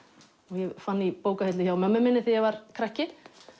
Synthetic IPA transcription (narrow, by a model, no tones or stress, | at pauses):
ɔɣjɛɣfanːipoːwkahɛt̪lɪçawmœmːʏmɪnːɪθijɛɣvaɾ̥kʰɾahcːɪ